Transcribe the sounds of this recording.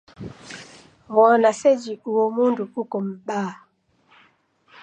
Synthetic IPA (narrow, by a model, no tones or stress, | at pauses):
ɣɔnasɛd͡ʒiuwɔmunduukɔm̩ɓaː